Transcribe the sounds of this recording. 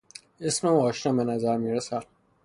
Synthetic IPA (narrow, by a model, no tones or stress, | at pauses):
esmeɒːʃnɒːbenæzæɾmiɾesæd̪